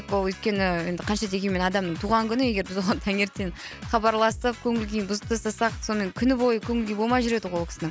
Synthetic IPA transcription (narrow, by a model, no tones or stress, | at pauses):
kwolˠwɵjt̪̚kʲe̞nɪjend̪ɪqʰɑnʃɑd̪e̞ɡʲe̞nme̞nɑd̪ɑmnəɴt̪ʰuʁɑŋkʲʰʏnɪe̞ɡʲe̞ɾbɪzwoɑnt̪ʰæŋe̞ɾt̪enχɑbɑɾlˠɑsəp̚kʲʰɵŋɪlɡʲenbʊzəp̚t̪ɑsɑsɑqso̞nme̞ŋkʲʰʏnɪbo̞jəkʲʰɵŋɪlɡʲe̞jbomɑjʒʏɾe̞d̪ɪʁwolˠkʲɪ̥sɪnɪŋ